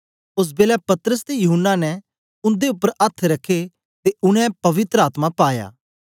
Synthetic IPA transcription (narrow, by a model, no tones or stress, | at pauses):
ʊs̬beːlɛpɐt̪ɾəst̪ejʊɦənːanɛ | ʊ̃nd̪eʊpːəɾɐt̪ʰːɾɐkʰːe | t̪eʊɽ̃ɛ̃pɐʋɪt̪ɾəaːt̪mapaːja̰ː